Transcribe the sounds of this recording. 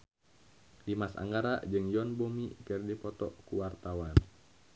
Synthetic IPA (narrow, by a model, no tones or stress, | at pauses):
dimasa̰ŋɡaɾad͡ʒɨŋjɔnbomikərdipɔt̪ɔkuwart̪awan